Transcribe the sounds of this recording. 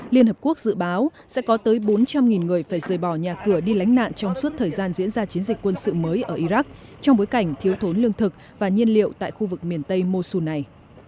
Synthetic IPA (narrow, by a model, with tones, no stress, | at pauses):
li˧ənhɦə˨˩p̚ku˦˥ək̚z̥ɨ̰˧˨ɓaː˨˦wsɛ̰˧˥kɔ˨˦t̪əː˨˦jɓo˨˦nt͡ɕa˧mŋi˨˩nŋɨ˨˩əjfaː˧˩jzəː˨˩jɓɔ˧˩ɲaː˨˩kɨ˧˩əɗi˧la˨˦jŋ̟na̰ː˧˨nt͡ɕɔ˧wŋ͡msu˦˥t̚t̪ʰəː˨˩jzaː˧nzḭ˧˥ənzaː˧t͡ɕi˨˦ənzi˨˩k̟̚kwə˧nsɨ̰˧˨məː˨˦jʔəː˧˩ʔi˧za˦˥k̚t͡ɕɔ˧wŋ͡mɓo˨˦jka˧˩jŋ̟t̪ʰi˨˦əwt̪ʰo˨˦nlɨ˧əŋt̪ʰɨ˨˩k̚ | vaː˨˩ɲi˧ənlḭ˧˨əwt̪a̰ː˧˨jxu˧vɨ˨˩k̚mi˨˩ənt̪ə˧jmo˧su˧na˨˩j